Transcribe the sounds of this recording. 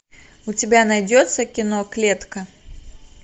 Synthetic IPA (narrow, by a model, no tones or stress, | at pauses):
ʊtʲɪbʲanɐjdʲot̪sːəkʲɪnoklʲet̪kɐ